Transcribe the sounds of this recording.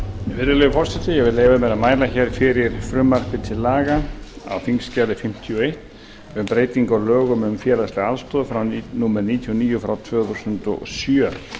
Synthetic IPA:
vɪɾðɪlɛɣʏfɔr̥sɛt̪ɪjɛvɪðlejvamɛðaðmaːjlaçɛɾ̥fɪɾɪɾ̥fɾʏmːar̥pɪt̪ʰɪlːaːɣaa̰wfiŋscaːlɪfɪm̥t̪ʰiɔejht̪ | ʏmpɾeːjt̪iŋkɔlœːɣʏmʏmfjɛːlastlɪalst̪ɔːðfɾawnnumɛɾniːt̪ʰiɔniːjʏfɾawt̪ʰvœːθusʏnt̪ɔ̰sjœ

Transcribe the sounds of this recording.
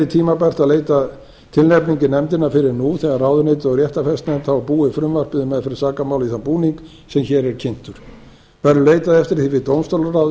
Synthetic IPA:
ɪt̪ʰiːmapɛr̥t̪aðleːjt̪a | t̪ʰɪlnɛpniɲcɪnɛmt̪ɪnafɪɾɪɾnuθɛɣaɾraːwðʏneːjt̪ɔɣɾjɛht̪afɛst̪nɛmt̪havapuːɪfɾʏmvar̥pɪðʏmɛðfɪɾɪɾ̥saːkamawliθanpuːniŋk | sɛmçɛːɾɛɾ̥cʰɪn̥t̪ʏɾ̥ | vɛɾʏleːjt̪aðɛft̪ɪɾ̥θivɪt̪ownst̪owlarawð

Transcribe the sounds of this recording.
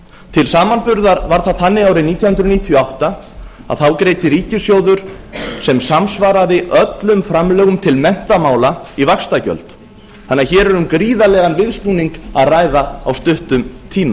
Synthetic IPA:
t̪ʰɪlsaːmanpʏɾðaɾvaɾ̥θaðθanːɪɣaːwɾɪniːt̪jnhʏnd̪ɾʏniːt̪ʰjɔawht̪a | a̰ðθawkɾeːjt̪ɪɾiːcɪsjoːwðʏɾ̥sɛmsamsvaːɾaðɪʔœt̪lʏmfɾamlœːɣʏmt̪ʰɪlmɛn̥t̪amaːwlaivakst̪acœ̰lt̪ | θanːaçɛːɾɛɾʏmkɾiːðalɛːɣanvɪðst̪uniŋkaðrajðaawst̪ʏht̪ʏmt̪ʰiːma

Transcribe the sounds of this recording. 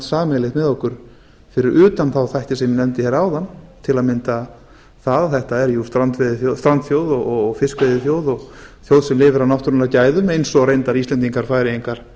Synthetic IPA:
saːmɛlɪxt̪mɛðɔhkʏɾ̥ | fɪɾɪɾʔʏːt̪anθawθajht̪ɪsɛmjɪnɛmt̪ɪçɛːɾawðanːt̪ʰɪlaðmɪnt̪a | θaðθɛht̪aɛɾjust̪ɾant̪vɛðɪθjost̪ɾant̪θjowðɔɣɔɣfɪskvejðɪθjowðɔɣθjowðsɛmlɪːvɪɾawnɔwht̪ʏɾnɾacaːjðʏmejnsɔɣɾejnt̪aɾist̪lɛnt̪iŋkaɾ̥faːjɾɪiŋkaɾ̥

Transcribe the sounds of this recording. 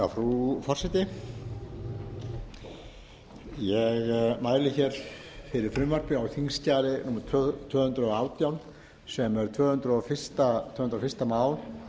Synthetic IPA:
awfɾufɔr̥sɛt̪ɪ | jɛɣmaːjlɪçɛɾ̥ | fɪɾɪɾ̥fɾʏmvœɾ̥pɪawθʰiŋscaːɾɪnuːmḁt̪ʰt̪ʰœːhʏnt̪ɾʏɔawt̪jawn | sɛmɛɾ̥t̪ʰvœːhʏnt̪ɾɔfɪ̥st̪at̪ʰvœːhʏnt̪ɾafɪst̪amaːwl

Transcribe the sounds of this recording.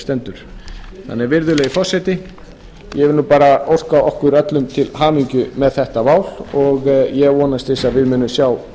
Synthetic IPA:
st̪ɛnt̪ʏɾ̥θa̰nːɛɾvɪɾðʏlɛɣifɔr̥sːɛjt̪ɪ | jɛvɪluːpaːɾaowr̥kawɔhkʏɾœt̪lʏmt̪ʰɪlɦaːmiɲcʏmɛðθɛht̪avaːwlɔɣjɛvɔːnast̪esaðvɪðmʏːnːʏsjaːw

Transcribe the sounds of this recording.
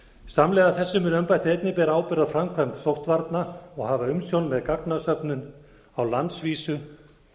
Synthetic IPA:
samlɛːɣaθɛsːʏmʏnœmpajt̪ɪejt̪nɪpɛːɾaaːwpɪɾðafɾamkʰvaŋksowht̪vaɾt̪naɔɣhavaʏmsjownmɛðkaknasœpnʏn | awlant̪sviːsʏ

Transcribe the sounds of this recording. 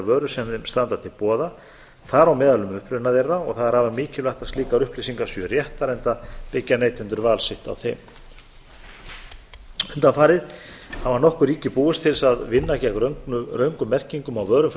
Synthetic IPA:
vœːɾʏsɛmðɪmst̪ant̪at̪ʰɪlpɔːða | θaɾawmɛːðalʏmʏhpɾʏnaðerːaɔɣθaðaɾaːvamiːcɪlvaht̪aðst̪liːkaɾʏhplisiŋkasvʏrjɛht̪aɾɛnt̪apɪcːaneːjt̪ʰʏnt̪ʏɾvaːlsɪht̪a̰wθɛ̰m | ʏnt̪afaːɾɪð | havaɾnɔhkʏɾiːcɪpuːwɪst̪ʰɪlsaðvɪnːacɛːɣɾɾœɥŋkʏmːɛr̥ciŋkʏmawvœːɾʏmf

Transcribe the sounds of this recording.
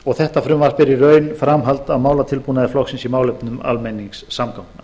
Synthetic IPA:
ɔɣθɛht̪afɾʏmvḁspɪɾɪrœːɥnfɾamɦalt̪aðmaːwlat̪ʰɪlpuːnaðɪflɔwxsɪnsimaːwlejpnʏma̰lmejniŋksːamkʰawna

